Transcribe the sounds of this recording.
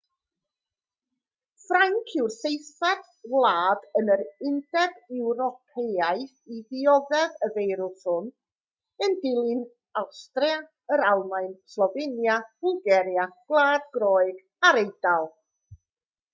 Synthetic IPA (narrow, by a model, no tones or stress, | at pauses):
frajŋkʰɪwrsejθad | wlˠaːdənəɾɪndɛdɛwɾɔpʰeaɨ | iðiɔðɛðəvejɾʊlˠθʊn | əndɪlˠɪn | awstria | əɾalˠmajnslˠɔvenjavʊlˠɡɛɾjaɡ̥lˠaːd̚ɡrɔːɨɡ | aɾejd̥alˠ